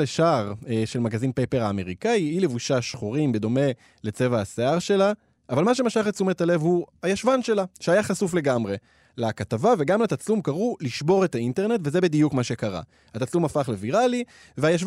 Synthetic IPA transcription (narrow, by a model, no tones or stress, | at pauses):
leʃaʁeʃe̞lmaɡazinpejpeʁaːme̞ʁikaiilevuʃaʃχuʁimbe̞d̪o̞me̞ | le̞t͡se̞vaaseaʁʃe̞la | ʔavalmaʃ̬e̞maʃaχet͡sumet̪ale̞vhuajaʃvanʃe̞laʃeajaχasufle̞ɡamʁe̞ | lakatavave̞ɡamlat̪at͡slumkaʁuliʃbo̞ʁet̪ainte̞ʁne̞tvezebid̪ijukmaʃe̞kaʁa̰ | at̪at͡slumafaχle̞viʁali | veajaʃ